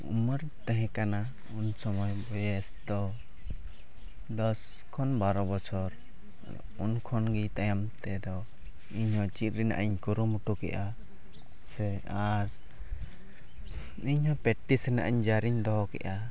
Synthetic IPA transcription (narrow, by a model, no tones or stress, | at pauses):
ṵməɾt̪ɛ̃ɦɛ̃kana | unsɔmɔjbɔjɛsd̪ɔ | d̪ɔs | kʰɔnbaɾɔbɔt͡ʃʰɔɾ̰ | d̪ɔ̰ | unkʰɔnɡit̪ajamt̪ɛd̪ɔ | iɲhɔ̃t͡ʃit̪̚ɾɛna̰ʔaɲkuɾumuʈukɛ̰ʔa | sɛ | aɾ | iɲhɔ̃pɛʈːisɾɛna̰ʔaɲd͡ʒaɾiɲd̪ɔɦɔkɛ̰ʔa